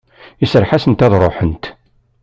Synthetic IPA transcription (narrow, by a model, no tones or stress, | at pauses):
isəɾˤħasənt̪æðɾˤoħənt̪